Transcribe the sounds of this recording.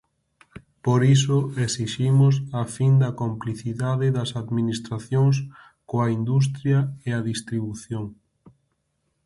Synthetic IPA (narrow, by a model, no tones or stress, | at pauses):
poɾis̬ʊesiʃimʊs̬afind̪ɐkompliθiðaðɪðɐsaðminist̪ɾaθjoŋs | koɐind̪us̬t̪ɾjɐeaðist̪ɾiβuθjoŋ